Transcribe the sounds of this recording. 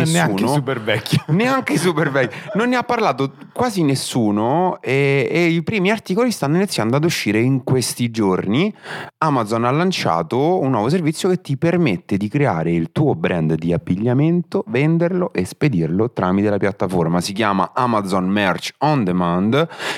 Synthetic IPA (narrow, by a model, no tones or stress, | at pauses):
snːauːnoupervɛkːineaŋkeis̬upervɛkːinonːeapːarlaːt̪o | kwaːzinesːuːnoɛːipɾiːmiart̪iːkolist̪anːoinit̪sːjand̪oad̪uʃːiːɾeiŋkwest̪id͡ʒorniamad̪zonalːant͡ʃa̰ːt̪ounːwɔvos̬ervit̪sːjoket̪ːipermet̪ːed̪ikɾea̰ːɾeilt̪uːobɾʔɛnd̪d̪iabːiʎːament̪ovɛnd̪erloʔesped̪irlot̪ɾamit̪elapjat̪ːaformasikjaːma̰ʔamad̪zɔnmɛrt͡ʃɔnd̪emand̪